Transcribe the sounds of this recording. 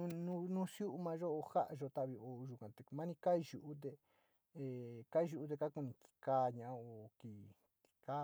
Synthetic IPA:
nũ˧nũ˦sju˦ʔu˧˦mã˧ʒo˦o˧ha̰˦ʔa˧ʒo˧t̪a˦˨βi˧o˧ʒu˨kã˨t̪e˨˧mã˦nĩ˧ka˦˧ʒu˨ʔu˦t̪̬e˧ | e˧ka˦˧ʒu˧u˦t̪̬e˧ka˦ku˧nĩ˧k̪i̥˨˧ka˧ɲã˨ʔa˦˧o˧˨ki˧˨ | t̪i̥˧ka˦

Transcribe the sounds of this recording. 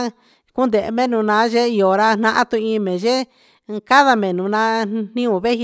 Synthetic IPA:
ku˦nd̪e˨ʔmẽ˦nũ˨˧nã˨˧˦ʒe˦i˧o˨ɾa˧n̥ã˦ʔã˦t̪ũ˧ĩ˧mẽ˨ʒe˦ | ka˦ða˧mẽ˨nũ˨˧nã˧˦n̥ĩ˦ũ˧˨βe˦hi˧

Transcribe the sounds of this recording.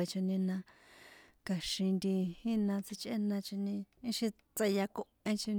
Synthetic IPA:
e˧t͡ʃi˧nĩ˧nã˧ | ka˧ʃĩ˧nd̪i˧hĩ˦nã˧t͡si˧t͡ʃʼʔe˦nã˧t͡ʃi˧nĩ˧ĩ˧ʃĩ˧ | t͡se˧ja˧kõ˧ʔẽ˧t͡ʃi˧

